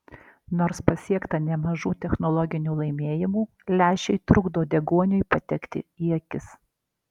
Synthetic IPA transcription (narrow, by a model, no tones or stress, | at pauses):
noːɾspɐsʲiɛkt̪ɐnʲɛmɐʒuːt̪ʲɛxnɔlˠɔɡʲɪnʲuːlˠɐɪmʲeːjɪmuː | lʲæːʃʲɛɪt̪ɾʊɡd̪oːd̪ʲɛɡuɔnʲʊɪpɐt̪ʲɛkt̪ʲɪ̰iɛkʲɪs